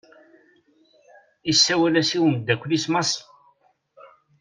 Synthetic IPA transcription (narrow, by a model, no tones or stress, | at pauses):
isːæwælæsiwənd̪ːækʷːlismɑsˤ